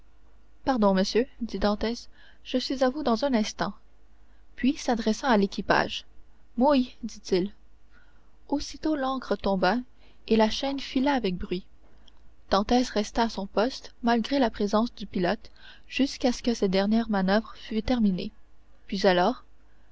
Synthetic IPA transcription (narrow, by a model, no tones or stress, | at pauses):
paʁd̪ɔ̃məsjød̪id̪ɑ̃t̪ɛs | ʒ̥əsɥizavud̪ɑ̃zɛ̃nɛ̃st̪ɑ̃ | pɥisad̪ʁɛsɑ̃alekʲipa̰ʒmujd̪it̪il | osit̪olɑ̃kʁət̪ɔ̃ba | elaʃɛnfilaːvɛk̚bʁɥi | d̪̥ɑ̃t̪ɛsʁɛst̪aːsɔ̃pɔst̪malɡʁelapχezɑ̃sd̪ypilɔt̪ | ʒ̥yskasə̥kəsɛt̚d̪ɛʁnjɛʁmanœvʁəfyt̪ɛʁmine | pɥizalɔːʁ